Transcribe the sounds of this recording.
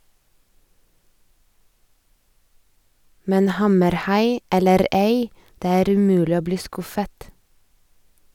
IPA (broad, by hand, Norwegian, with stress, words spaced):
ˈmɛn ˈhɑməɾˌhɑɪ ˈɛləɾ ˈeɪ ˈdeː ˈæːɾ ʉˈmʉːlɪ ˈoː ˈbliː ˈskʊfət